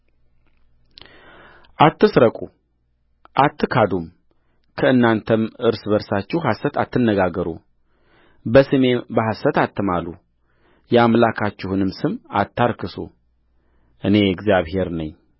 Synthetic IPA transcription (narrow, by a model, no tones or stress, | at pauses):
ʔat̪ːɨsɾəkʼu | ʔat̪ːɨkʰad̪um | kʰəɨnːant̪ʰəmɨɾsbəɾsat͡ʃːɪhhasət̪ʰat̪ːɨnːəɡaɡəɾṵ | bəsɨme̞bəɦasət̪at̪ʰːɨmalu | jɛamlakʰat͡ʃːɪhunɨmsɨma̰t̪ʰːaɾkʰɨso̰ | ʔɨne̞ɛɡzjaβhe̞ɾnəɲː